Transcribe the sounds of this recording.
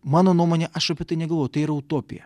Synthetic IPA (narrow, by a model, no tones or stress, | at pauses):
mɑːnoːnuɔmoːnʲeʔɐʃɐpʲiɛt̪ɐɪnʲɛɡɐlˠʋoːjʊt̪ɐɪiːɾɐʊt̪oːpʲɪ̰jɛ̰